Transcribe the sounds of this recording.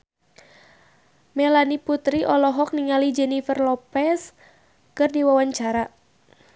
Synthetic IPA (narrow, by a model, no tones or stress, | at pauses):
mɛlaniput̪ɾiʔɔlɔɦɔk̚niŋalid͡ʒɛnifərlɔpɛs | kɨrdiwawaɲt͡ʃaɾa